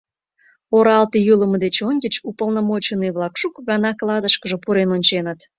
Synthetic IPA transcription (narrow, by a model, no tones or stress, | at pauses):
oɾɑlt̪ijuləməd̪et͡ɕonʲɡʲət͡ɕupəlˠnomot͡ɕənijβlˠɑkʃukɣɑnɑklˠɑd̪əʃkəʒəpuɾenonʲt͡ɕenət̪